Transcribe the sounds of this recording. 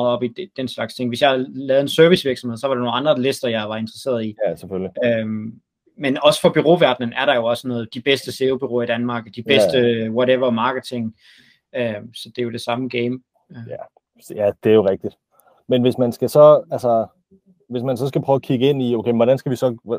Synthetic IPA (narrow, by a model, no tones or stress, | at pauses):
ð̩ˠɒ̽b̥ided̥enslɑ̈ɡ̥st͡sʰe̝ŋʋe̝sjɑ̈hlɛːð̞̩ˠensøɐʋisʋiɐɡ̥sɒmheð̰ˠsɒ̽ʋɑ̈ɾ̥eno̝ːnɑ̈nd̥ʁɐle̝sd̥ɐjɑɪʋɑ̈e̝nd̥ʁɐse̝̰ːɐðˠiæsefølliøm | menɒ̽sə̥fɒ̽b̥yʁo̝̰ːʋæɐd̥nən̩æɐɾ̥ɑ̈jo̝ɒ̽sənɔ̽ːð̩ˠd̥ib̥esd̥əse̝ːʊb̥yʁo̝̰ːɐid̥ænmɑ̈ːɡ̥d̥ib̥esd̥əwɒ̽ɾeʋɐmɑ̈ːɡ̥ət͡sʰe̝ŋ | øsɒ̽d̥e̝jo̝d̥e̝sɑ̈məɡ̥eɪm | jæd̥e̝æɐjoʁɛɡ̥̚d̥id̥ | menʋe̝smænsɡ̥æsɒ̽ælsɐ | ʋe̝s̬mænsɒ̽sɡ̥æpʰʁ̥œːʊkʰiɡ̥əe̝n̰ioʊkʰeɪʋɒɾ̥ænsɡ̥æʋisɒ̽